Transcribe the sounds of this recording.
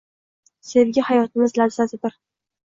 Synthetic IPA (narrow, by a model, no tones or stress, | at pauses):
se̞vɡʲahajɒt̪ɪmɪzlavzasɪd̪ɪɾ